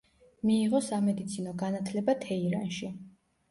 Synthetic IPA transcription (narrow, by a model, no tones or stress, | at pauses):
miːʁɔsamɛd̪it̪sʰinɔɡanat̪ʰlɛbat̪ʰɛiɾa̰nʃi